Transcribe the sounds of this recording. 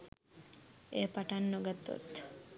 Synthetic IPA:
epaʈanːoɡat̪ːo̰t̪

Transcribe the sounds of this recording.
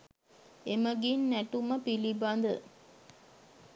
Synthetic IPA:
emɐɡinːæʈumɐpilibaːnd̪ə

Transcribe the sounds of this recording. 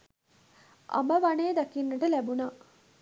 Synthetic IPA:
ʔa̰məʋaneːd̪akinːəʈəlæbunaː

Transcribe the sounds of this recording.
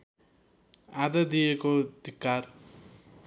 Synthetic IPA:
ad̪ʌd̪ijekod̪ikːar

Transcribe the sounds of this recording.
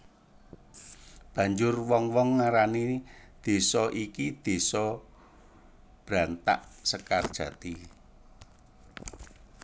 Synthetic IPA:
b̥ä̤ɲd͡ʒʊrwɔŋwɔŋːaɾanid̪̥e̤sɔʔikid̪̥e̤sɔ | b̥ɾant̪a̰ʔsəkard̥ʒ̥a̤t̪i

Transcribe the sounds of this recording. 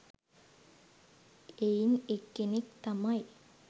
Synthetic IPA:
einekːenekt̪amɐj

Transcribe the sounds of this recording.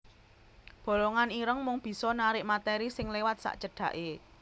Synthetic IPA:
b̥o̤loŋaniɾəŋmʊŋb̥i̤sɔnaɾɪʔmat̪ɛɾisɪŋlewat̪̚sa̰ʔt͡ʃəɖ̥ä̤ʔe

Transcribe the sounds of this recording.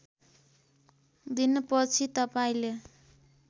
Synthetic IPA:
d̪inpʌt͡sʰit̪ʌpaĩle

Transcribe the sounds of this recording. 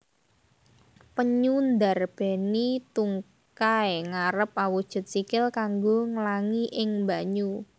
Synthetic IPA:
pəɲund̪arb̥ɛ̤nit̪uŋ | kaeŋaɾəp̚awud̥ʒ̥ʊ̤t̪̚sikɪlkaŋɡoŋəlaŋiʔɪŋmbaɲu

